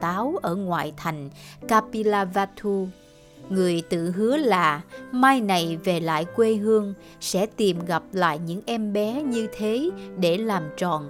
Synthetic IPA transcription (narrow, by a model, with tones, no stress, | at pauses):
t̪aː˨˦wʔəː˧˩ŋwa̰ː˧˨jt̪ʰa˨˩jŋ̟kaː˧pi˧laː˧vaː˧t̪ʰu˧ | ŋɨ˨˩əjt̪ɨ̰˧˨ɦɨ˨˦əlaː˨˩maː˧jna˨˩jve˨˩la̰ː˧˨jkwe˧ɦɨ˧əŋ | sɛ̰˧˥t̪i˨˩mɣa˨˩p̚la̰ː˧˨jɲɨ̰˧˥ŋʔɛ˧mɓɛ˨˦ɲɨ˧t̪ʰe˨˦ɗe˧˩laː˨˩mt͡ɕɔ˨˩n